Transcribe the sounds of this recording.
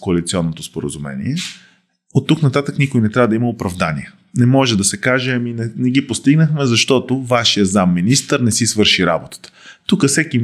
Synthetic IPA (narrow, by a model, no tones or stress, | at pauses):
koɐlit̪siɔnːot̪ospoɾə̰zumɛ̰nḭɛ | ot̪ːuknɐt̪at̪əknikʊjnɛt̪ɾʲavəd̪ɐimɐopɾɐvd̪anḭɛ | nɛmɔʒɛd̪ɐsɛkaʒɛɐminɛnɛɡipost̪iɡnəxmɛzɐʃt̪ɔt̪ovaʃijəzamːinist̪əɾnɛsisvɤɾʃiɾa̰bot̪ə̥t̪ə̥t̪ukəfsɛk̟i